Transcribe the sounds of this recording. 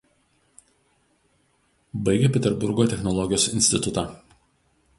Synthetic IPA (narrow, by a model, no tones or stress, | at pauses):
bɐɪɡʲɛpʲɛt̪ʲɛɾbʊɾɡoːt̪ʲɛxnɔlˠɔɡʲɪjoːsɪnʲsʲt̪ʲɪt̪ʊt̪aː